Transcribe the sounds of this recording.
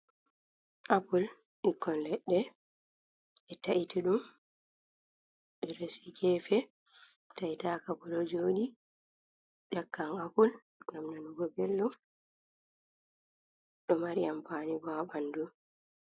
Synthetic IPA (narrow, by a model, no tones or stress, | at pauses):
ʔapul | ikːɔnlɛɗːɛ | ɛtaʔitiɗum | ɛɾosiɡɛːfɛ | taitakabulɔd͡ʒoːɗi | ɗakːaŋapul | ɡamɗanuɡɔbɛlːɔ | ɗɔmaɾijampaːnibabandu